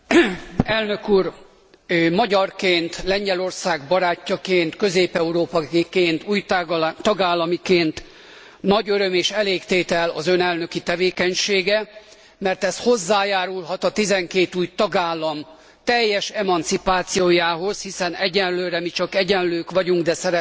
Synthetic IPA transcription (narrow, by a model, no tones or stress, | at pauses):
ɛlnø̞kuːr | mɒɟɒrkeːnt̪lɛɲɟɛlo̞rsaːɡ̚bɒɾaːcːɒkeːnt̪kø̞zeːpɛuɾoːpɒikeːnt̪uːjt̪ɒɡaːlːɒmikeːnt̪ | nɒɟøɾømeːʃɛleːkt̪eːt̪ɛlɒ̰zønɛlnø̞kit̪ɛveːkɛɲʃeːɡɛ | mɛrt̪ɛsho̞zːaːjaːɾulɦɒt̪ɒt̪izɛŋkeːt̪uːjt̪ɒɡaːlːɒm | t̪ɛjːɛʃɛmɒnt̪sipaːt̪sijoːjaːɦo̞z̥hisɛnɛɟɛnløːɾɛmit͡ʃɒkɛɟɛnløːkʋɒɟuŋɡd̪ɛsɛɾɛ